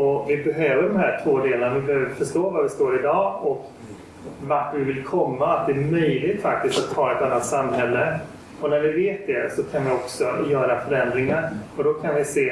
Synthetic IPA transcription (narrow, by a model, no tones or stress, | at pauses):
ɔvɪbɛɦøːvəɖɔmhæːʈʰvoːd̪eːlənavɪbɛhøːvəɾfœʂʈoːvaɾvɪst̪oːɾɪd̪ɑːɔk | vaɾfəɾvɪvɪlkʰɔmːaat̪̚d̪ɛːɾmœjlɪɡt̪fak̚t̪ɪst̪at̪ʰːɑːɛt̪anːat̪samːɦɛlːə | ɔnæɾvɪveːt̪̚d̪ɛsɔkʰanvɪɔksɔjœːɾafœɾɛnd̪ɾɪŋaɾɔd̪ɔkʰanvɪseː